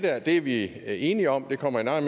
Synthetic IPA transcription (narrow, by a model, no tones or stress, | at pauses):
d̥æɐ̰d̥e̝æɐʋie̝ːniɒ̽md̥e̝kʰɒ̽m̰ɐe̝nɑ̈ɪnm